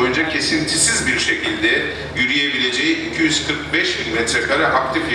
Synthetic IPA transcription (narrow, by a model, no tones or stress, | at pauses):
jund͡ʒacʰe̞sint̪ʰisizbiɾʃe̞cʰilʲd̪ɛ | jyɾyje̞bilʲe̞d͡ʒe̞jiicʰijyzkʰɯɾk̚bɛʃbinmɛt̪ɾɛkʰaɾaʔakt̪ifʲ